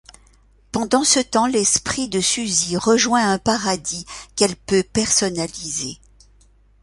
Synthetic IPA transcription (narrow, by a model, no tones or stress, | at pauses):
pɑ̃d̪ɑ̃sət̪ɑ̃lɛspχid̪əsyziʁəʒwɛ̃ɛ̃paʁad̪ikɛlpøpɛʁsɔnalize